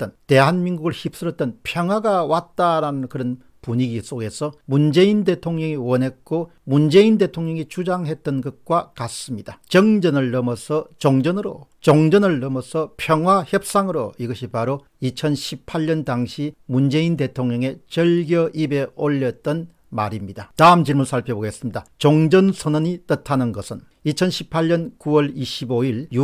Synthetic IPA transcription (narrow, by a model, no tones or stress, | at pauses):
t͈ʌnte̞ɦanmiŋɡuɡɯɭçip̚s͈ɯɾʌt͈̚ʌnpʰjʌŋɦwaɡawat̚t͈aɾanɯnkɯɾʌn | puɲiɡisʰoɡe̞sʰʌmund͡ʑe̞inde̞tʰoŋɲʌŋiwʌnɦe̞k̚k͈o | mund͡ʑe̞inde̞tʰoŋɲʌŋit͡ɕud͡ʑaŋɦe̞t̚t͈ʌnɡʌt̚k͈wakas͈ɯmɲidat͡ɕʌŋd͡ʑʌnɯɭːʌmʌsʰʌt͡ɕoŋd͡ʑʌnɯɾo̰t͡ɕoŋd͡ʑʌnɯɭːʌmʌsʰʌpʰjʌŋɦwaçjʌp̚s͈aŋɯɾoiɡʌɕʰipaɾo | it͡ɕʰʌnɕʰipʰaɭːʌntaŋɕʰimund͡ʑe̞inde̞tʰoŋɲʌŋe̞t͡ɕʌɭɡjʌʔibe̞oʎːʌt̚t͈ʌn | maɾimɲidataɯmt͡ɕiɭmɯɭsʰaɭpʰjʌboɡe̞s͈ɯmɲidat͡ɕoŋd͡ʑʌnsʰʌnʌɲit͈ɯtʰanɯnɡʌsʰɯn | it͡ɕʰʌnɕʰi̥pʰaʎːʌnkuwʌɭiɕʰiboiɭju